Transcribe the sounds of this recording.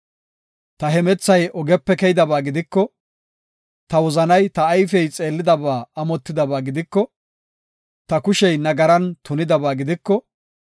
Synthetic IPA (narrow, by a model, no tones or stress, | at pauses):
t̪ɐɦɛmɛt͡sːɐjɔɡɛpːɛkɛjɪd̪ɐbaːɡɪd̪ɪkːɔ | t̪ɐwɔzɐnɐjt̪ɐːjfɛjt͡sʼe̞ːlːɪd̪ɐbaːɐmɔt̪ːɪd̪ɐbaːɡɪd̪ɪkːɔ | t̪ɐkʊʃɛjnɐɡɐɾɐnt̪ʊnɪd̪ɐbaːɡɪd̪ɪkːɔ